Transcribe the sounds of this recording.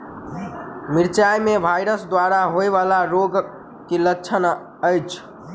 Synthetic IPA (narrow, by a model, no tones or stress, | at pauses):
miɾt͡ʃajmebʱajɾəsd̪waɾaɦoeβalaɾoɡ | kelətːt͡ʃʰən | əjt͡ʃʰ